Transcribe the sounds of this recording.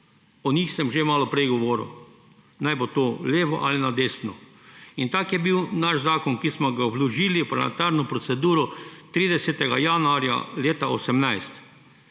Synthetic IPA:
ɔnʲixsɛmʒemaːlɔpɾɛjɡɔʋɔːɾə̰w | najbot̪oleːʋɔ̰ʔa̰linad̪eːsnɔ | int̪akjɛbiwnaʃzaːkɔnkismɔɡaɔbluʒiːlipɾlm̰ɛ̰t̪aɾnɔpɾɔt̪sɛd̪uːɾɔt̪ɾiːd̪ɛsɛt̪ɛɡajanuaɾja̰leːt̪aosɛmnajst̪

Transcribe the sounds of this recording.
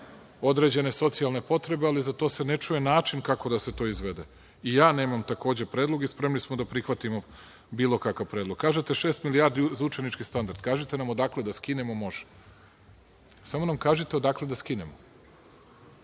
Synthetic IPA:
o̞d̪ɾe̞d͡ʑe̞ne̞so̞t̪sialˠne̞po̞t̪ɾe̞be̞alizat̪o̞ːse̞net͡ʃuje̞naːt͡ʃinkako̞d̪aset̪o̞izʋed̪e̞ | ijaːne̞ːmamt̪ako̞ːd͡ʑepɾeːd̪lˠo̞ɡispɾe̞mnismod̪apɾixʋat̪imo | biːlˠo̞kakaʋpɾeːd̪lo̞ɡ̚kːaːʒet̪e̞ʃeːst̪milijaːɾd̪iuzaut͡ʃe̞nit͡ʃkist̪and̪aɾd̪̥̚kaːʒit̪e̞namo̞d̪akle̞d̪askinemo̞mo̞ʒe̥ | samo̞namkaːʒit̪eod̪akle̞d̪askinemo

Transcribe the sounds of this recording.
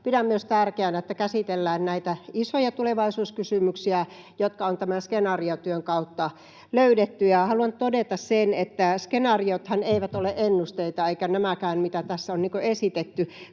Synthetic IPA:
pidæmmyøst̪ærkeænæet̪ːækæsit̪elːæːnnæit̪æisojɑt̪uleʋɑisuːskysymyksiæ | jot̪kɑont̪æmænskenɑriot̪yøŋkɑut̪ːɑ | løydet̪ːyjɑhɑluɑnt̪odet̪ɑssenet̪ːæskenɑriot̪hɑneiʋæt̪oleʔenːust̪eit̪ɑeikænæmækæːnmit̪æt̪æsːæonniːŋkoesit̪et̪ːy

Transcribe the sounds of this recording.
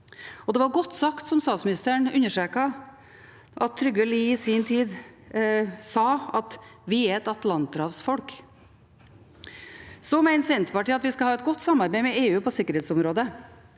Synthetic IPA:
ɔd̪ɛʋɑɾɡɔt̪ːsɑkt̪sɔmst̪ɑːt̪smɪnɪst̪əəɳʉnːəʂʈɾeːkɑ | ʔɑt̪ʰːɾʏɡʋɛliɪsiːnt̪ʰiːd̪ | sɑːɑt̪ʋɪæɾɛt̪ɑt̪lɑnt̪ɾɑːʋsfɔlk | sɔmæɪnsɛnt̪ʋɑʈɪɑt̪ʋɪskɑhɑːɛt̪̚ɡɔt̪ːsɑmːɑɾbæɪmɛeːʉːpʰɔsɪkːəɾheːt̪sɔmɾoːd̪ə

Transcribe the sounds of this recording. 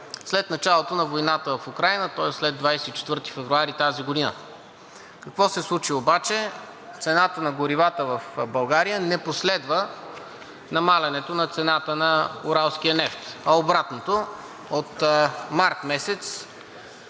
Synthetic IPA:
slɛt̪nɐt͡ʃalˠot̪onɐvojnat̪əvɐfukɾajnət̪ɔɛslɛd̪vajsɛit͡ʃɛ̥t̪vɤɾt̪i̥fɛvɾuaɾit̪aziɡod̪inə̰ | kɐkvɔsɛslˠut͡ʃiobat͡ʃɛ | t̪sɛnat̪ənɐɡʊɾivat̪əvɐfbɐlˠɡaɾijənɛposlɛd̪və | nɐmalʲɐnɛt̪onɐt̪sɛnat̪ənɐʊ̰ɾalˠsk̟iənɛft̪ɐobɾat̪not̪o | ot̪maɾt̪mɛsɛt̪s

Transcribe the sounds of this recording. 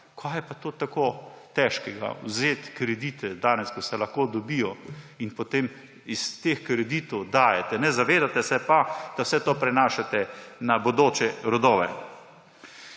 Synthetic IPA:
kʰajɛpat̪oːt̪akoːt̪ɛʃkɛɡa̰wzeːt̪kɾɛd̪iːt̪ɛd̪aːnɛskɔsɛlaxkoːd̪ɔbiːjɔinpot̪eːm | ist̪exkɾɛd̪iːt̪ɔwd̪aːjɛt̪ɛnɛzaʋeːd̪at̪ɛsɛpad̪̥awsɛt̪oːpɾɛnaːʃat̪ɛnabod̪oːt͡ʃɛɾɔd̪oːʋɛ̰

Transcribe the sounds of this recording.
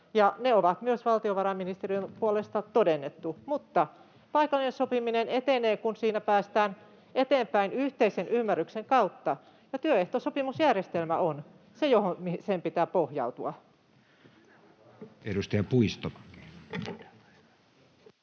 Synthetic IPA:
jɑneoʋɑt̪myøsʋɑlt̪ioʋɑɾɑmːinist̪eriømpuolest̪ɑt̪odenːet̪ːumut̪ːɑ | pɑikɑlːinesopiminenet̪eneːkunsiːnæpæːst̪æːn | ʔet̪eːmpæinyht̪eisenʔymːærːykseŋkɑut̪ːɑ | jɑt̪yøeht̪osopimusjærjest̪elmæʔon | sejohomisempit̪æːpohjɑ̰ut̪uɑ | eɾust̪ɑjɑpuist̪o

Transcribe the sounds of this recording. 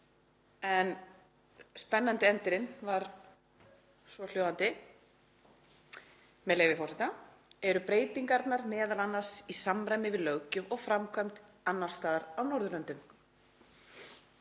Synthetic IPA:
ɛn | spɛnːant̪ɪɛnt̪ɪɾɪnvaɾ | svɔl̥joːwðant̪ɪ | mɛðleːjvɪfɔsɛt̪a | ɛɾʏpɾeːjt̪iŋkaɾt̪naɾmɛːðalanːḁsisamɾajmɪvɪðlœɣcʏɔɣfɾamkʰvamt̪ | anːaɾ̥st̪aːðaɾawnɔɾðʏlœnt̪ʏm

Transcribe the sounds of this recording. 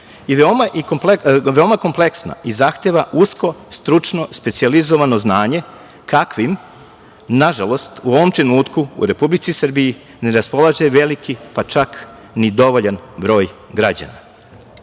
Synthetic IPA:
iʋeomaʔikopleʋe̞omako̞mple̞ksna̰ʔizaxt̪eʋaʔusko̞st̪ɾut͡ʃno̞spe̞t̪sializo̞ʋano̞znaːɲe̞ | kakʋim | naʒalˠo̞st̪uo̞ʋo̞mt̪ɾe̞nuːt̪kuṵɾe̞publit̪sisr̩biji | ne̞ɾaspo̞lˠaʒeʋe̞likipat͡ʃak | nid̪o̞ʋoʎanbɾo̞ːjɡɾad͡ʑa̰na̰

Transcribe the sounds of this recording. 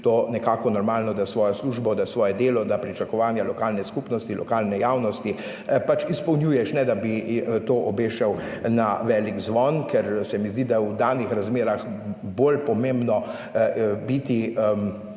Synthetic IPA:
t̪oːnɛkaːkɔnɔɾmaːlnɔd̪asʋɔːjɔsluːʒbɔd̪asʋɔːjɛd̪eːlɔd̪apɾit͡ʃakɔʋaːnjalɔkaːlnɛskupnɔst̪ilʔɔ̰kaːlnɛjawnɔst̪i | pat͡ʃispɔwnjuːjɛʃnɛd̪abit̪oːʔɔbeːʃɛwnaʋɛːliɡzʋɔnkʰɛɾsɛmizd̪id̪aɛwd̪aːnixɾazmeːɾaxbolpɔmẽmbnɔ | bit̪iəm

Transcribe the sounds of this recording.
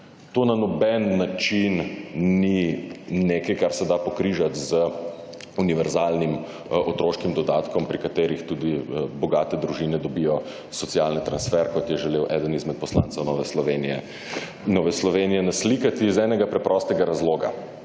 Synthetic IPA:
t̪oːnanɔbɛnːat͡ʃinnineːkɐjkaɾsɛd̪apɔkɾiːʒat̪zə | uniʋɛɾzaːlnim | ɔt̪ɾoːʃkimd̪ɔd̪aːt̪kɔmpɾikat̪eːɾixt̪uːd̪ibɔɡaːt̪ɛd̪ɾuʒinɛd̪ɔbijɔ | sɔt̪sialnit̪ɾansfɛɾkɔt̪jɛʒɛleːwʔɛd̪ənizmɛt̪̚pɔsla̰ːnt̪sɛwnɔːʋɛɔʋenɛ | nɔʋɛslɔʋeːnijɛnaslikat̪izɛːnɛɡapɾɛpɾʔɔst̪ɛɡaɾazloːɡa̰

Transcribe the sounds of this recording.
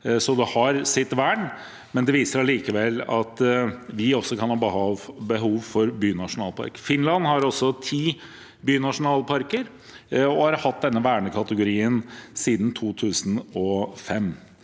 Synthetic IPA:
sɔd̪ɛhɑɾsɪt̪ːʋæːɳ | mɛnd̪ɛʋiːsəɾɑliːkəʋɛlːɑt̪ʋɪɔsːɔkʰɑnhɑbəhɑʋbəɦuːʋfɔɾbyːnɑʂʊnɑːlˠpʰɑ̰ɾkfɪnlɑnːhɑɾɔsɔt̪ʰiː | byːnɑʂʊnɑːlpʰɑɾkəɾ | ɔhɑɾhɑt̪̚d̪ɛnːəʋæːɳəkʰɑt̪əɡʊɾiːənsiːd̪n̩t̪ʰuːt̪ʰʉːsn̩ɔfɛm

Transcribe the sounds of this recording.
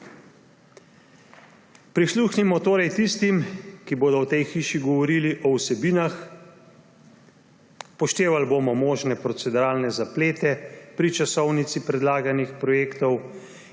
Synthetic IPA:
pɾisluxnimɔt̪oːɾɛjt̪ist̪imkiboːd̪ɔwt̪ɛjxiːʃiɡɔʋɔɾiːliʔɔwsɛbiːnax | pɔʃt̪eːʋalboːmɔmoːʒnɛpɾɔt̪sɛd̪uɾaːlnɛzapleːt̪ɛpɾit͡ʃasɔwnit̪sipɾɛd̪laːɡanixpɾɔjeːkt̪ɔw

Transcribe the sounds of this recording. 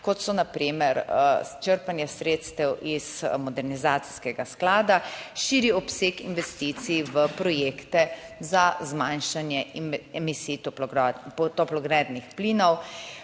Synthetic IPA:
kɔt̪sɔnapɾimɛɾt͡ʃəɾpanjasɾet̪st̪ɛwʔizmɔd̪ɛɾnizaːt̪si̥skɛɡasklaːd̪aʃiːɾiɔpseːkḭnʋɛst̪it̪siʋəpɾɔjeːkt̪ɛzazmãnʃanjɛɛmisiːt̪ | t̪ɔplɔɡɾɛd̪nixpliːnɔw

